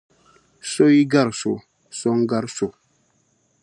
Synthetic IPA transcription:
so˦i˦ɡa˦˨ɾso˨ | so˦ŋɡa˦ɾso˨

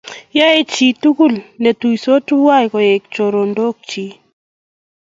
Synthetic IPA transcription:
ja˦e˦t͡ʃi˨tu˦ku˦lne˨tu˨iso˦tu˦wa˦jkɔ˨e˨k̚t͡ʃo˨ɾo˨ndo˦k̚t͡ʃi˨˦

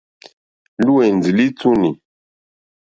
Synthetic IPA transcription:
lu˦e˨n˨d͡zi˨li˦t͡su˦ni˨

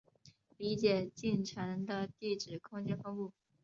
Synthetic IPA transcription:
li˧˥t͡ɕjɛ˨˩t͡ɕi˥˩nʈ͡ʂʰə˧˥ŋd̪ə˧t̪i˥˩ʈ͡ʂɻ̩˨˩kʰʊ˥ŋt͡ɕjɛ˥nfɤ˥ŋpu˥˩

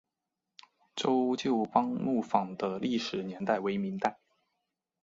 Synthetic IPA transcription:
ʈ͡ʂo˥ʊt͡ɕjo˥˩˧ʊpɑ˥ŋmu˥˩fɑ˨˩ŋd̪ə˦li˥˩ʂɻ̩˨˩njɛ˧˥nt̪a˥˩ɪwe˧˥ɪmi˧˥ŋt̪a˥˩ɪ

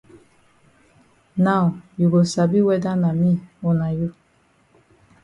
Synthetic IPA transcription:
na˦˨wju˨ɡo˨sa˨bi˦wɛ˦da˦na˨mi˦o˨na˨ju˦

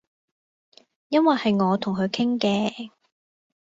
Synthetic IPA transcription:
jɐ˥nwɐ˨jhɐ˨jŋɔː˨˧t̪ʰʊ˨˩ŋkʰɵ˨˧ɥkʰɪ˥ŋkɛː˧

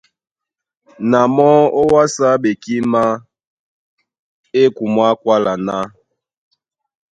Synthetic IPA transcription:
na˨mɔ˦o˦wa˦sa˦ɓe˨ki˦ma˦ | e˦ku˨mwa˦kwa˦la˨na˦

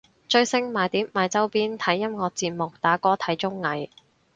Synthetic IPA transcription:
t͡ʃɵ˧ɥsɪ˥˧ŋmaː˨˧jt̪iː˨˥p̚maː˨˧jt͡sɐ˥wpiː˥nt̪ʰɐ˨˥jːɐ˥mŋɔː˨˧k̚t͡siː˧t̚mʊ˨k̚t̪aː˨˥kɔː˥t̪ʰɐ˨˥jt͡ʃʊ˥ŋːɐ˨˥j

